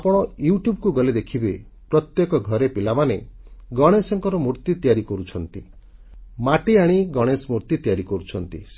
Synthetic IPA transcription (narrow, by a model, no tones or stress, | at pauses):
apɔɽ̃ɔjuʈjubkuɡɔled̪ekʰibe | pɾɔt̪jekɔɡʱɔɾepilamaneɡɔɽ̃esɔŋkɔɾɔmuɾt̪it̪ijaɾikɔɾut͡ʃʰɔnt̪i | maʈiaɽ̃iɡɔɽ̃esɔmuɾt̪it̪ijaɾikɔɾut͡ʃʰɔnt̪ḭs